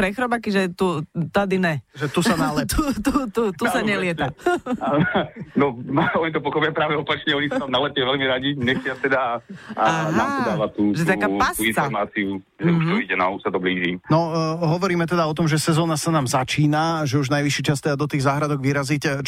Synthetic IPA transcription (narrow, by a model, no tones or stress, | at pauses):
pɾɛxɾɔbakiʒɛt̪ut̪ad̪inɛʒɛt̪usanalɛt̪ut̪ut̪ut̪usaɲɛlɪɛt̪a | nɔɔɲit̪̬ɔpɔxɔpijapɾaːʋɛɔpat͡ʃɲɛɔɲisanamnalɛtɛʋɛlmiɾaɟiɲɛxtɪat̪ɛd̪a | nat̪ɔd̪aːʋat̪uːʒɛt̪akapasuinɔɾmaːt͡siu | ʒɛuʃt̪ɔiɟɛna̰usat̪ɔbliːʒimnɔɦɔʋɔɾiːmɛt̪ɛd̪aɔt̪ɔmʒɛsɛzɔːnasanaːmzat͡ʃiːnaʒɛuʒnajʋiʃiːt͡ʃast̪ɛd̪ad̪ɔt̪iːɣzaːɦɾad̪ɔɡʋiɾazic